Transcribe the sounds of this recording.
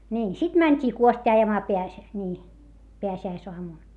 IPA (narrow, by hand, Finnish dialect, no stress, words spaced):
nʲiːn sit mænʲtʲiː kuostʲiː ɑjɑmɑː peæs nʲiː peæsiæisoɑmun